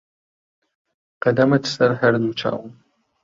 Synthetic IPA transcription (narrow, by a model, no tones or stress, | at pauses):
qɐdɐmɐtʰsʼɐrħɐrnuːt͡ʃʰa̰ːwʊm